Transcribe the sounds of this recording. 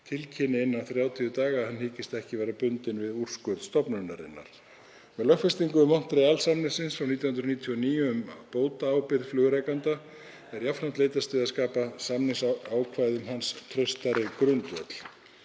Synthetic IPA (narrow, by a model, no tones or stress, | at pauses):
t̪ʰɪlcʰɪnːɪɪnːawθɾjaːwt̪ʰiʏt̪aːɣahanːhiːcɪst̪ɛhcɪvɛːɾapʏnt̪ɪnvɪður̥skœɾðst̪ɔpnœnːa̰ɾɪ̰nːa̰ɾ̥ | mɛðlœxfɛst̪iŋkʏmɔn̥t̪ɾealsamnɪsɪnsfɾawniːt̪jawhʏnɾniːt̪ʰiɔniːjʏmpoːwt̪aːwpɪɾðflʏːɣʏɾɛjkant̪a | ɛɾjafɾam̥t̪leːjt̪ast̪ʏːðaskaːpasamnɪsaːwkʰvajðʏmhanst̪ʰɾœst̪aɾɪkɾʏnt̪vœ̰t̪l̥